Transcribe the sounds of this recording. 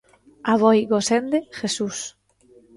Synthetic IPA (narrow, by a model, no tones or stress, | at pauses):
aβɔjɣosend̪eʃesus